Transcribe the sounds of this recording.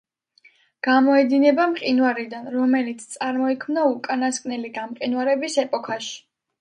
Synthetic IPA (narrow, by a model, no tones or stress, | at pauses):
ɡ̥amɔɛd̪inɛbamqʼinwaɾid̪anɾɔmɛlit̪sʰt̪sʼaɾmɔikʰmnaukʼanaskʼnɛliɡamqʼinwaɾɛbisɛpʼɔkʰaʃi̥